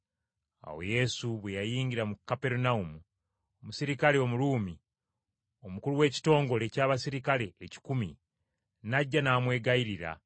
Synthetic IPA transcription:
a̰wo̞̰je̞suβwejajiːɲɟiɾamukːape̞ɾunaumu | omusiɾikaleo̞muɾuːmi | o̞mukuluwe̞ːci̥to̞ːŋɡo̞le̞caːβasiɾikale̞ːci̥kumi | naɟːanaːmwe̞ːɡaiɾiɾa̰

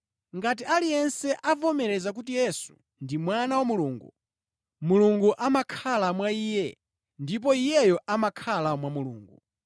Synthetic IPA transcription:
ŋɡat̬ialijɛnsɛʔavɔmɛɾɛzak̬ut̬ijɛsu̥̰ | ndimwanawamuluːŋɡṵ | muluŋɡuʔamakʰalamwaiːjɛ | ndip̬ɔijɛjɔʔamakʰalamwamulṵːŋɡu

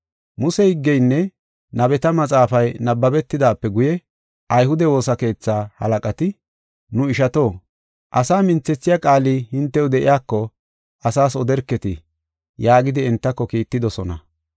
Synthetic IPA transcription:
mʊsɛhɪɡːɛjnːɛ | nɐbɛt̪ɐmɐt͡sʼaːfɐjnɐbːɐbɛt̪ːɪd̪aːpːɛɡʊjɛ | ʔɐjhʊd̪ɛwo̞ːsɐke̞ːt͡sːaːhɐ̰lɐkʼɐt̪ɪ | nʊɪʃɐt̪o̞ː | ʔɐsaːmɪnt͡sːɛt͡sːɪjakʼaːlihɪnt̪ːɛwd̪ɛʔɪ̰jaːkːɔ | ʔɐsaːsɔd̪ɛɾkːɛt̪ɪ | jaːɡɪd̪ɪɛnt̪ːɐkːɔkiːt̪ːɪd̪ɔsɔnɐ̰

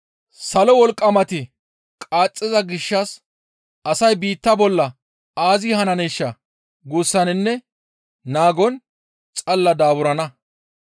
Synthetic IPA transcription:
sɐlɔwɔlkʼːɐmɐt̪ɪ | kʼaːt͡sʼːɛzɐɡɪʃːɐs | ɐsɐjbiːt̪ːɐbɔlːɐ | aːzɪhɐnɐneːʃːɐ | ɡuːsːɐnɪnːɛ | naːɡɔn | t͡sʼɐlːɐd̪aːbʊɾɐnɐ

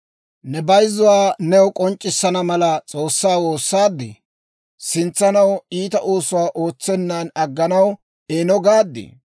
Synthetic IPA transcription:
nɛbɐjzːʊwaːnɛwʊkʼɔnt͡ʃʼːɪsːɐnɐmɐlɐt͡sʼo̞ːsːaːwoːsːaːd̪ːɪ̰ | sɪnt͡sːɐnɐwiːt̪ɐʔoːsʊwaːʔo̞ːt͡sːɛnːanɐɡːɐnɐw | eːnɔɡaːd̪ːɪ̰

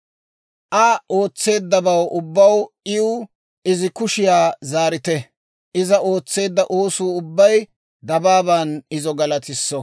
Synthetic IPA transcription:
ʔɐʔo̞ːt͡sːe̞ːd̪ːɐbɐwʔʊbːɐw | ɪʊ | ɪzɪkʊʃɪjaːzaːɾɪt̪ɛ | ʔɪzɐo̞ːt͡sːe̞ːd̪ːɐʔoːsuːʊbːɐj | d̪ɐbaːbɐnɪzɔɡɐlɐt̪ɪsːɔ

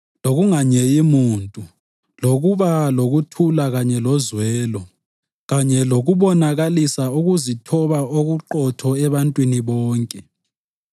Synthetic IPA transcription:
loɣuŋaɲɛimuːntʼu | loɣuβaloɣutʰulaɣaɲɛlɔzwɛːlɔ | ɣaɲɛloɣuβɔnaɣalisauɣuzitʰɔβaoɣuǃɔtʰɔɛβantʼwiniβɔːŋkʼɛ

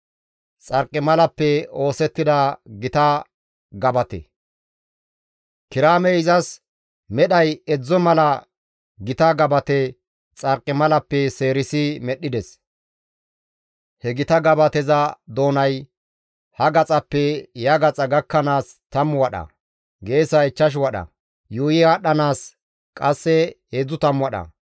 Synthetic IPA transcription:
t͡sʼɐɾkʼːɪmɐlɐpːɛo̞ːsɛt̪ːɪd̪ɐɡɪt̪ɐ | ɡɐbɐt̪ɛ̰ | kɪɾaːmɛɪzɐs | mɛɗɐjɛd͡zːɔmɐlɐ | ɡɪt̪ɐɡɐbɐt̪ɛ | t͡sʼɐɾkʼːɪmɐlɐpːɛseːɾɪsɪmɛɗːɪd̪ɛs | hɛɡɪt̪ɐɡɐbɐt̪ɛzɐd̪o̞ːnɐj | hɐɡɐt͡sʼɐpːɛjɐɡɐt͡sʼɐɡɐkːɐnaːs | t̪ɐmːʊwɐɗɐ̰ | ɡe̞ːsɐɪt͡ʃːɐʃ̬wɐɗɐ̰ | juːjɪaɗɐnaːs | kʼɐsːɛheːd͡zːʊt̪ɐmʊwɐɗɐ̰

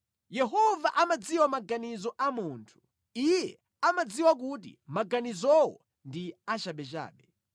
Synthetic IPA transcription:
jɛɦɔvaʔamad͡ziwamaɡanizɔʔamuːntʰu̥ | ijɛ | amad͡ziwak̬ut̬ḭmaɡanizɔwɔ̰ | ndiat͡ʃaɓɛt͡ʃa̰ːɓɛ

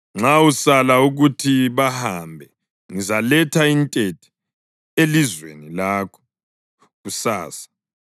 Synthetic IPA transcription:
ŋ͡ǁausalauɣutʰiβahambʱɛ | ŋizalɛtʰaintʼetʰi̥ | elizwḛnilaːkʰɔ̥ | ɣusa̰ːsḁ

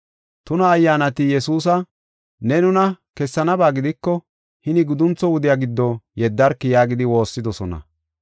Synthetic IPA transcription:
t̪ʊnɐːjːaːnɐt̪ɪjɛsuːs̬ɐ | nɛnʊnɐ | kɛsːɐnɐbaːɡɪd̪ɪkːɔ | hɪnɪɡʊd̪ʊnt͡sːɔwʊd̪ɪjaːɡɪd̪ːɔjɛd̪ːɐɾkːɪjaːɡɪd̪ɪwo̞ːsːɪd̪ɔsɔnɐ̰

